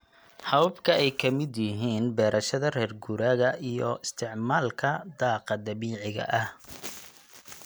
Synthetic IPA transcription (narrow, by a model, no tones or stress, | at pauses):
hɐwbkʰɐɛjkʰɐmɪd̪jɪɦiːnbɛːɾɐʃɐðɐrɛːrɡuɾaːɣɐʔijɔ̰ɪst̪ʰɪʕmaːlkʰɐd̪ɑːqɑd̪ɐβiːʕɪɣɐ̰ʔɐh